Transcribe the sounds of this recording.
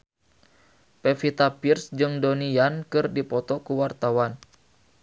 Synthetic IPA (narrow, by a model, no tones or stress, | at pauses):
pefit̪apirsd͡ʒɨŋdonijankɨrdipɔt̪ɔkuwart̪awan